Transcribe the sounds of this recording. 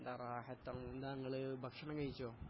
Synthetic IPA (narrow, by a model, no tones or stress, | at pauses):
nd̪araːhɐt̪ːɐend̪aːŋːɐɭɨbʱɐkʂɐɳɐŋɡɐɻit͡ɕːoː